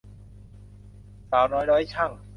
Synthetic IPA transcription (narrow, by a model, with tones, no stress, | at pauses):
saː˨˩˦wnɔː˦˥jdɔː˦˥jt͡ɕʰa˥˩ŋ